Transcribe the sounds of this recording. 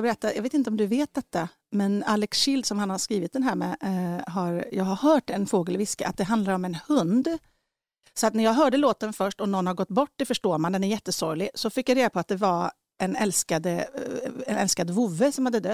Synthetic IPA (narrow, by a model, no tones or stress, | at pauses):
ɡbɛɾɛt̪ːajɑɡveːt̪ɪnt̪əɔmd̪ɵveːt̪̚d̪ɛt̪ːa | mɛnalːɛksɕɪld̪sɔmhanhaʂkɾiːvɪt̪̚d̪ɛnɦæːɾmɛɦaɾjɑːɡhaɾhœːʈɛnfoːɡəlvɪskəʔat̪̚d̪ɛɦand̪laɾɔmɛnhɵnd̪ | sɔat̪næɾjɑːɡɦœːɖəloːt̪ːənfœʂʈɔnɔnːhaɾɡɔt̪ːbɔʈːd̪ɛfœʂʈoːɾmand̪ɛnæɾjɛt̪ːəsɔɾlɪsɔfɪkːjaɾeːd̪apʰɔat̪̚d̪ɛva | ɛnɛlskad̪ə | ɛ̰nɛlskad̪vʊvːəsɔmhad̪ːəd̪œt̪ː